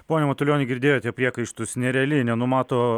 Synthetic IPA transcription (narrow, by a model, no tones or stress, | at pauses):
poːnʲɛmɐt̪ʊlʲjoːnʲɪɡʲɪɾʲd̪ʲeːjoːtʲiɛpʲɾʲiɛkɐɪʃt̪ʊsnʲɛɾʲɛɐlʲɪnʲɛnʊmɑːt̪oː